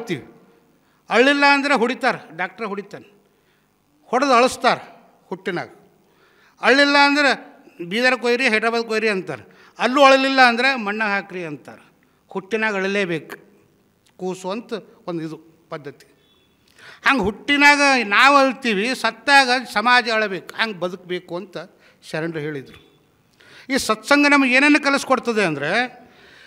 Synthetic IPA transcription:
t̪iːʋi | ɐɭːilːɐːnd̪ɐɾeɦuɽit̪aːɾɖaːk̚ʈɐɾɦuɽit̪aːn | hɔɽɐd̪ɐɭust̪aːɾ | huʈːina̰ːɡɐ | ɐɭːilːɐːnd̪ɐɾe | biːd̪ɐɾɐkojɾiɦɐjʈɐbɐd̪̚koːjɾiɐnt̪a̰ːɾe | ɐlːuːɐɭɐlilːɐːnd̪ɐɾemɐɳːɐɦaːkɾiɐnt̪a̰ːɾ | huʈːinaːɡɐɐɭɐleːbeːku̥ | kuːsuʋɐnt̪ɐ | ond̪id̪u | pɐd̪ːɐt̪i̥ | haːŋɡeɦuʈːinaːɡɐnaːʋɐɭt̪iːʋisɐt̪ːaːɡɐsɐmaːd͡ʒɐɐɭɐbeːku̥haːŋɡebɐd̪uk̚be̞ːkuɐnt̪ɐ | sɐɾɐɳɖɾɐɦe̞ːɭid̪ɾu | iːsɐt̪sɐŋɡɐnɐmɐɡeːneːnːɐkɐlɐskoɽt̪ɐd̪eɐnd̪ɐɾe̞

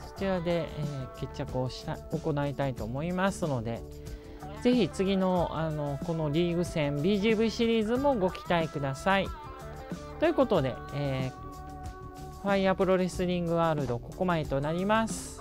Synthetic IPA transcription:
so̥t͡ɕiɾad̪e̞eːke̞t͡ɕːakɯ̟oɕi̥t̪aoko̞nait̪ait̪o̞ːmo̞imasɨno̞d̪e̞̰ | ze̞çit͡sɨɡʲino̞ano̞ko̞no̞ɾʲiːɡɯ̟sẽ̞mbʲiːʑiːbɯ̟ɕiɾʲiːzɨmo̞ɡo̞kʲi̥t̪aekɯ̟d̪asai | t̪o̞jɯ̟ko̞t̪o̞d̪e̞̰ | eː | ɸaiapɯ̟ɾo̞ɾe̞sɨɾʲĩŋɡɯ̟aːɾɯ̟d̪o̞ko̞ko̞mae̞t̪o̞naɾʲimasɨ̥

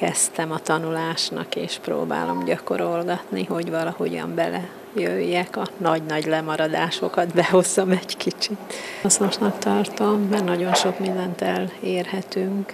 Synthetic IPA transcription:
kɛst̪ɛmɒt̪ɒnulaːʃnɒ̰keːʃpro̰ːba̰ːlo̞̰mɟɒko̞̰ɾo̞lɡɒt̪niɦo̞ɟvɒlɒho̞ɟɒ̰mbɛlɛ | jøjːɛkɒnɒɟnɒɟlɛmɒɾɒd̪aːʃo̞kɒt̪bɛɦo̞zomɛɟkit͡ʃit̪snoʃnɒkt̪ɒrt̪omːɛrnɒɟo̞nʃo̞kmind̪ɛnt̪ɛleːrhɛt̪yŋk

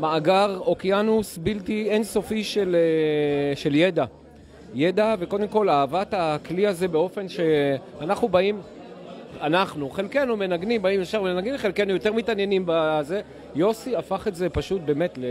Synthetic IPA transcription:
maːɡaʁo̞kjanusbiltienso̞fiʃeleʃe̞ljed̪a | je̞d̪ave̞ko̞d̪e̞mko̞laːvatakliaze̞beo̞fe̞nʃe̞anaχnubaim | anaχnuχe̞lke̞numenaɡnimbaimjefʃaʁmenaɡnimχe̞lkenujo̞t̪eʁmitanje̞nimbaze̞ | jo̞siafaχetze̞paʃut̚be̞ːme̞tle

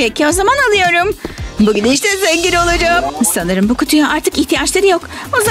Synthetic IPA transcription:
pecʰio̞zamanalˠɯjo̞ɾumbuɟyniʃt̪ɛzɛɲɟilʲo̞lˠad͡ʒamsanɯɾɯmbukʰut̪ʰujaʔaɾt̪ʰɯkiçt̪ʰijat͡ʃlˠaɾɯjo̞k | oza

